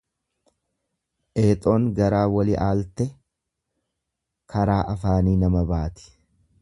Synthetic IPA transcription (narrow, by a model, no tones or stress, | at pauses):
ʔeːt̪ʼo̞ːŋɡɐɾaːwɐlɪʔaːlt̪ɛ | kʰɐɾaːʔɐfaːniːnɐmɐbaːt̪ɪ̥